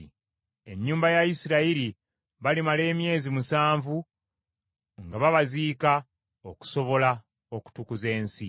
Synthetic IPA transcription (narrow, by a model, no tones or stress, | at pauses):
e̞ɲːuːmbajajisiɾaiɾi | βalimale̞ːmje̞ːzimusaːɱvu | ŋɡaβaβaziːka | o̞ku̥so̞βo̞la | oku̥tukuze̞ːnsi